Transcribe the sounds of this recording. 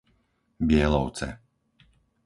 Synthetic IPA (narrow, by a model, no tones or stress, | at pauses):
bɪɛlɔʊt͡sɛ̰